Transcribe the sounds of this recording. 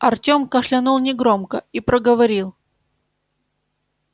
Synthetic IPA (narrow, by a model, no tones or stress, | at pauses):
ɐrtʲo̞mkəʂlʲɪnulˠnʲɪɡɾo̞mkəipɾəɡəvɐɾʲilˠ